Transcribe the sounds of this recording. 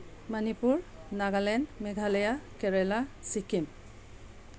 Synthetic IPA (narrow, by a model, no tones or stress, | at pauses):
manipuɹnaɡalɛnmɛɡʱalɛjakɛɹɛlasikim